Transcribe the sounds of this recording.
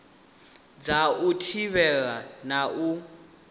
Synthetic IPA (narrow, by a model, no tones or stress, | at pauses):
d͡zautʰiβɛɺanaʔu